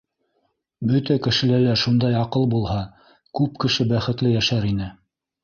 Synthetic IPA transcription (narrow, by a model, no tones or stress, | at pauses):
bɵt̪ækɘ̆ʃɘ̆lælæʃund̪ɑjɑqɤlˠbulˠhɑ | kʉp̚kɘ̆ʃɘbæχɘ̆t̪lɘjæʃæɾinɘ